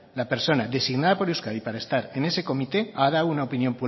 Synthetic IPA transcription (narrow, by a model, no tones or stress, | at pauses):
lape̞ɾso̞naðe̞siɣnað̞apo̞ɾiuskaðipaɾaest̪aɾe̞ne̞se̞ko̞mit̪e̞að̞awunaopinjo̞mpu